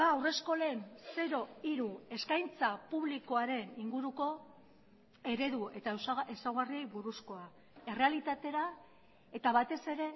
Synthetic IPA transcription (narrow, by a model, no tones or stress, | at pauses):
aːwre̞sko̞lense̞ɾo̞iɾue̞skajnt͡sapuβliko̞aɾe̞niŋɡuɾuko̞ | e̞ɾe̞ðue̞t̪aesesawɣarie̞jβuɾusko̞a | e̞re̞alit̪at̪e̞ɾa | e̞t̪aβat̪e̞se̞ɾe̞